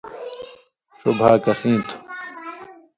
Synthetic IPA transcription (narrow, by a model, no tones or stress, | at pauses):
subʱaːkɐsĩːt̪ʰu̥